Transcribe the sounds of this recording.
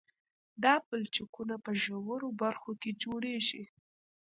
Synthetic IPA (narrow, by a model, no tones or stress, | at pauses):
d̪ɑpəlt͡ʃɪkunapəʒəwəɾobaɾxoked͡ʒoɽeʒi